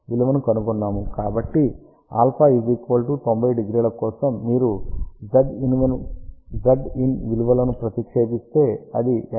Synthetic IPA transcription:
ʋiluʋɐnukɐnukunːaːmukaːbɐʈːi | a̰ːlpʰaːizikʋɐlʈut̪o̞mbʱɐjɖiɡɾiːlɐkɔːsɐmːiːɾud͡ʒɐɖinʋɐnud͡ʒɐɖinʋiluʋɐlɐnupɾɐt̪ikʂe̞ːbist̪e̞ːɐd̪i

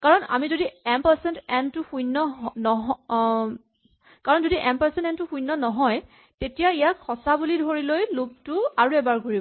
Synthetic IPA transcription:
kaɹɔna̰mizodiɛmpəsɛntɛntʊxũjnːɔɦnɔɦɔ | kaɹɔnzodiʔɛmpəsɛ̃nɛntʊxũjnːɔnɔɦɔj | tetijaijakʰɔsabulidʱoɹilojlob̚tʊaɹuɛbaɹɡoɹibɔ

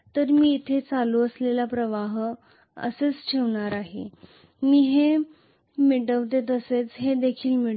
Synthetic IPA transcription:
t̪əɾmiːit̪ʰet͡saluəslelapɾəʋaɦ | ə̰set͡sʈʰeʋɳaɾaɦḛ | miːɦe | miʈəʋt̪et̪əset͡sɦed̪ekʰiːlmi

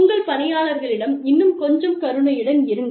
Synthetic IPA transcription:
ŋɡɐɭpɐnɐjaːlɐɾɣɐɭɪɽɐmɪnːɯmkɔɲd͡ʒɐmkɐɾɯɳɐjɪɽɐnɪɾɯnɡ̪

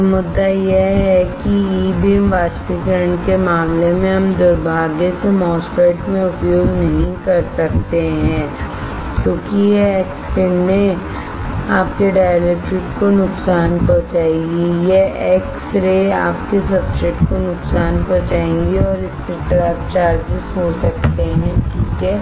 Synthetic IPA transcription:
mʊd̪ːajeɦɛkiiːbiɛmʋaːt͡ʃpikəɾəɳkemaːmlemẽɦɐmd̪ʊɾbʱaːɡẽsemɔːspɾeɪʈmẽʊpjoːɡnɐɦĩkɐɾsɐk̚t̪eɦɛ̃ː | kjõːkijeeːkspɪ̃ɳmẽ | aːp̚keɖaːjlɛkʈɾɪʈkonʊksaːnpɔt͡ʃaːẽɡijeeːksɾea̰ːpkesɐbt͡ʃeʈkonʊksaːnpɔt͡ʃaːẽŋɡiɔːɾɪskeʈɐɾaːft͡ʃaːɾd͡ʒɪsɦosɐk̚t̪eɦɛ̃kiːke

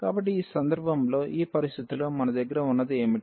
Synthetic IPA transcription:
kaːbɐʈ̬ːiiːsɐnd̪ɐɾbʱɐmlo̞ːʔiːpɐɾist̪ʰit̪uloːmɐnɐd̪ɐɡːɐɾɐunːɐd̪ieːmi

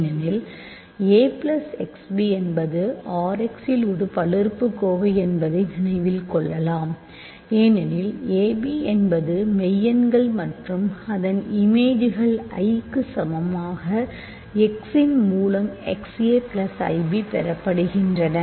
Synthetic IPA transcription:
nɛnɪl | eːplɐsɛksbiɛnbɐðɯaːɾɛksɪlɔɾɯpɐɭɪrpːɯkːoːʋɐɪɛnbɐðɐɪnɪnɐɪʋɪlkɔɭːɐlaːm | eːnɛnɪleːbiɛnbɐðɯmɛjːɐnɡɐɭmɐʈrɯmɐðɐnɪmeːd͡ʒɪɣɐɭɐ̰ɪkːɯsɐmɐmaːɣɐ | ɛksɪnmuːlɐmɛ̰kseːplɐsɐ̰ɪbipɛɾɐpːɐɽɯɣɪndrɐnɐ

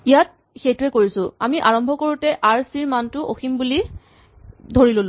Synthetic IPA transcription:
ijat̚ | xejtʊɛkoɹisʊamiʔaɹɔmbʱɔkoɹutɛʔaɹsiɹmantʊʔoximbuli | dʱoɹilolʊ

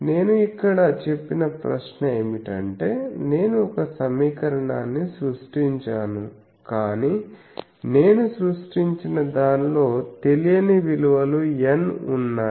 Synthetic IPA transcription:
ne̞ːnuikːɐɽɐt͡ʃe̞pːinɐpɾɐ̰ʃnɐeːmiʈɐ̰ɳʈe̞ːne̞ːnuɔkɐsɐmiːkɐɾɐɳaːnːisɾuʂʈiɲt͡ʃaːnu | kaːniː | ne̞ːnusɾuʂʈiɲt͡ʃinɐd̪aːnlo̞ːt̪e̞lijɐniʋiluʋɐluenunːaː

